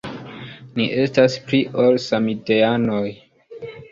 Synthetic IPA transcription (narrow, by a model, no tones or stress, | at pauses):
niʔe̞staspliʔolsamiteanoj